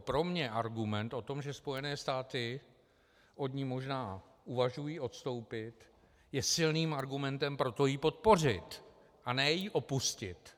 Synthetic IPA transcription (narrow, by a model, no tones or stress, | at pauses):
pɾo̞mɲɛʔaɾɡumɛnt̪ʔo̞t̪o̞mʒɛspo̞jɛnɛːst̪aːt̪ɪ | ʔo̞d̪ɲimo̞ʒnaː | ʔuvaʒujiːʔo̞t̪st̪o̞wpɪt̪ | jɛsɪlniːmʔaɾɡumɛnt̪ɛmpɾo̞t̪o̞jiːpo̞t̪̚po̞r̝ɪt̪ | ʔanɛjiːʔo̞puscɪt̪